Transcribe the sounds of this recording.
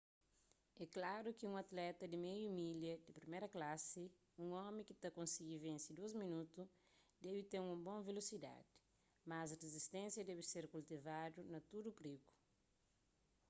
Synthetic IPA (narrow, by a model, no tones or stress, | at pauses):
ɛklaɾukiũŋɐt̪lɛt̪ɐd̪imejumiljɐd̪ipɾimeɾɐklasi | ũŋɔmĩkit̪ɐkõnsiɡivẽnsid̪ozminut̪u | d̪ɛbit̪eŋũmbõvelosid̪a̰d̪i̥ | mazɐrezist̪ẽnsjɐd̪ɛβiseɾkult̪ivad̪unɐt̪udupɾiku̥